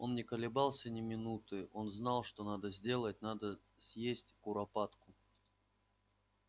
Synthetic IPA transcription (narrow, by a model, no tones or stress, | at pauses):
o̞nːʲɪkəlʲɪbalˠsʲənʲɪmʲɪnut̪ɨʔo̞nznalˠʂt̪o̞nad̪əzʲdʲe̞lˠət̚ʲnad̪ə | sʲjesʲtʲkʊɾɐpat̪kʊ